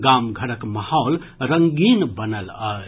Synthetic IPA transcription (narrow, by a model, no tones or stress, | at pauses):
ɡamɡʱəɾəkmahɔl | ɾəŋɡinbənələ